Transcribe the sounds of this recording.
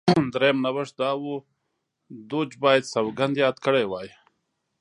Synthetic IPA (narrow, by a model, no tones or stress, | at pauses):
d̪ɾejmnawəʂd̪ɑːwu | d̪ud͡ʒbɑːjad̪sawɡand̪jɑːd̪kəɽewɑːji